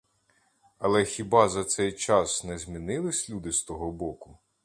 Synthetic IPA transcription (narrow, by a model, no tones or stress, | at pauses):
ɐlˠɛxʲibɑzɐt̪sɛjt͡ʃɑsnɛzʲmʲinɪlˠɪsʲlʲud̪ɪst̪ɔɦɔbɔkʊ